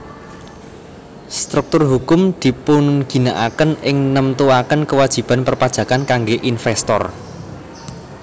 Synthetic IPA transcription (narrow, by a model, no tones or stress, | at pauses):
st̪ɾuk̚t̪ʊrɦukʊmd̪̥i̤pʊnɡ̥i̤naʔakənɪŋnəmt̪uakənkəwad̥ʒ̥i̤b̥a̤npərpad̥ʒ̥ä̤kankaŋɡeʔinfɛst̪ɔ̰r